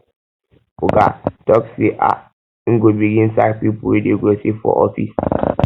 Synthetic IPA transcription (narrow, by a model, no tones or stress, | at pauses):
uɡa̰tɔkseʔa̰ | ŋ̩ɡobiɡĩnsak̚pipuwideɡosefɔ̰ʔɔfḭs